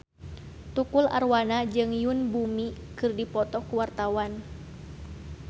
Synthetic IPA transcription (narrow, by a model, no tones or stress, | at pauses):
t̪ukula̰rwanad͡ʒɨŋjunbumikɨrdipɔt̪ɔkuwart̪awan